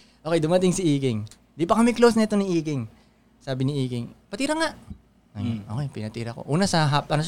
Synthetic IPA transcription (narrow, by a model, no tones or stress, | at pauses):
ʔoːkɛjd̪ʊmɐt̪ɪŋsɪʔiːkɪŋ | nd̪ipɐkɐmɛklowsnɐʔɛt̪onɪʔiːkɪŋ | saːbɪnɪʔiːkɪŋpɐt̪iːɾɐŋaʔ | ɐjnʔoːkɛjpɪnɐt̪iːɾɐko̰ʔuːnɐsɐɦapʔɐno